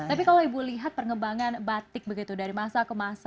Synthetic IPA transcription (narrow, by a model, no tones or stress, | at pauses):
t̪apikaloibuliɦat̪̚pərŋəbaŋanbat̪ɪk̚bəɡit̪udaɾimasakəmas